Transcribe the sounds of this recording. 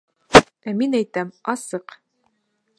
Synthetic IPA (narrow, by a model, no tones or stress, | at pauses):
æminæjt̪æmɑsɤq